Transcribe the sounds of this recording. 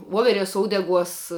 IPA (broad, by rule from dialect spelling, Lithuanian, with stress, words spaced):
ˈʋoːʋʲɛˌrʲɛs ˈoːʊdʲɛˌɡuɔs